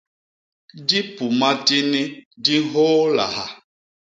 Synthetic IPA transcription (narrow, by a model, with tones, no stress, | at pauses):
di˦pu˨ma˦ti˦ni˦di˦ɦoː˦la̰˨ɦa˨